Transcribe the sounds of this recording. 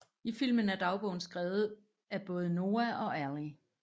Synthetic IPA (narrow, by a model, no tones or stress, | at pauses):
ifil̰mən̩æɐd̥ɑ̈ʊb̥ɔʊn̩sɡ̥ʁɛːʊð̩ˠ | æb̥ɔ̽ːð̞̩ˠəno̝ːæʔɒ̽æli